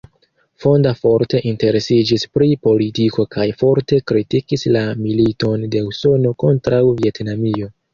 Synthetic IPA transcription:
fo̞ndafo̞ɾte̞ʔinte̞ɾe̞sid͡ʒispɾipo̞litiko̞kajfo̞ɾte̞kɾitikislamilito̞nde̞uso̞no̞ko̞ntɾawvie̞tnamio̞

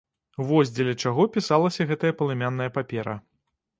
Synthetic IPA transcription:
vɔzʲd͡zʲɛlʲɐt͡ʂaɣɔpʲisalˠɐsʲɐɣɛt̪ɐjɐpɐlˠɨmʲanːɐjɐpapʲɛɾɐ̰

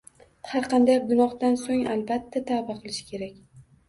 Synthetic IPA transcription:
haɾqʰɑnd̪ajɡʊnɒχd̪ansoŋalbat̪ʰːat̪ʰabaqʰɨlˠɪʃɪ̥kʲʰe̞ɾakʲ

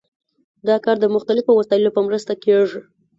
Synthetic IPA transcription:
d̪ɑkɑɾd̪əmʊxt̪alɪfowasɑjɪlopəmɾəst̪akeʐi

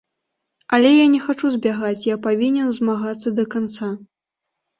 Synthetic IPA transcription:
ɐlʲɛjanʲɛxat͡ʂuzʲbʲaɣat͡sʲjapavʲinʲɛnzmaɣat̪sːɐd̪ɐkant̪sa

